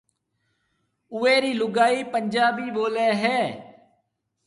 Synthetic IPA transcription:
ʊeːɾiːlʊɡaːiːpənd͡ʒaːbiːɓoːlɛːɦɛː

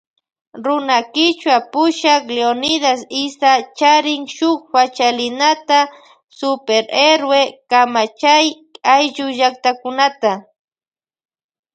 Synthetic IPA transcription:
ɾʊnakɪt͡ʃwapʊʃakleonɪd̪asɪsat͡ʃaɾɪŋʃʊkpat͡ʃalɪnat̪a | sʊpeɾeɾwekamat͡ʃaj | ajʒʊʒak̚t̪akʊnat̪a

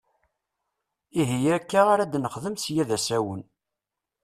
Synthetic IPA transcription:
iɦijækːaʁaɾæd̪nəχðəmsjæðæsæwən

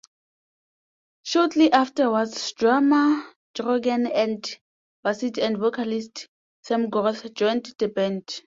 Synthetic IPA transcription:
ʃɔtʰliʔaftəwadsdɹama | d̥ɹɔɡɛ̃nɛ̃nd | basitɛ̃ndvokʰalist | sɛ̃mɡɔθd͡ʒɔj̃ntd̥ɛbɛ̃nt

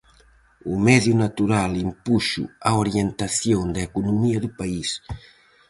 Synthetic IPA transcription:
umɛðjunat̪uɾalimpuʃṵaoɾjent̪aθjɔŋd̪aekunumiad̪upais

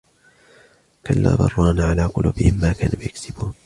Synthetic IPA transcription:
kalːa̰ːðɑ̰rˤːɑːnʕalaːqʊluːbɪhɪmːaːkaːnuːjaksɪbuːn

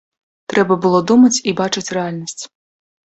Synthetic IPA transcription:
t̪ɾɛbɐbɨlˠɔd̪umɐt͡sʲibat͡ʂɨt͡sʲrɛalʲnɐsʲt͡sʲ

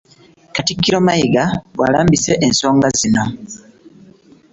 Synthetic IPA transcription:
katikːiɾo̞maiɡaβwa̰laːmbise̞ʔenso̞ːŋɡazino̞

